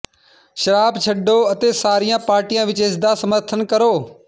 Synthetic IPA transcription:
ʃəɾaːbt͡ʃʰəɖːoːət̪eːsaːɾijãːpaːɾʈijãːʋɪt͡ʃeːsd̪aːsəməɾt̪ʰənkəɾoː

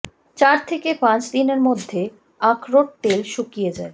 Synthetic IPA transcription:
t͡ɕaɾt̪ʰekepãt͡ɕd̪ineɾmod̪ʱːe | ãkʰɾoʈ̚ʈelʃukijed͡ʑae

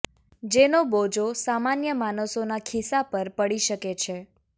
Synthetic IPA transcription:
d͡ʒenobod͡ʒosamanjəmanəsonakʰisapəɾpəɽiʃəket͡ʃʰe

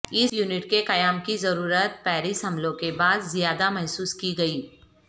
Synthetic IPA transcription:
ɪsjuːnɪʈkeqɐjaːmkizɐɾuːɾət̪̚pɛːɾɪsɦɐmlõkebaːd̪zɪjaːd̪amɛɦsuːskiɡɐiː

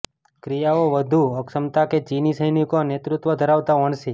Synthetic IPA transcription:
kɾijaoʋəd̪ʱuəksəmt̪aket͡ʃinisəjnikonet̪ɾut̪ʋəd̪ʱəɾaʋt̪aʋəɳsi

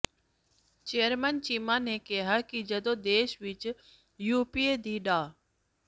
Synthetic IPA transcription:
t͡ʃeːəɾmənt͡ʃiːmaːnekeɦaːkid͡ʒəd̪oːd̪eːʃʋɪt͡ʃ | juːpiːeːd̪ʱiːɗaː

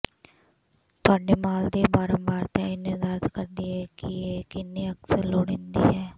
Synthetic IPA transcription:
t̪ʊaːɖeːmaːld̪eːbaːɾəmbaːɾt̪ɛ̃ːɪned̪əɾt̪kəɾd̪iːɦɛːkɪeːkɪnːiːəksəɾloːɽẽːnd̪ḭːɦɛː

